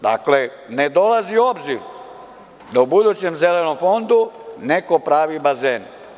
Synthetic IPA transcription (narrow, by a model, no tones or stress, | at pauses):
d̪a̰kle̞ | ne̞d̪o̞lazio̞bziɾ | d̪aubud̪ut͡ɕe̞mze̞le̞no̞mfo̞nd̪une̞ko̞pɾaːʋibazeːn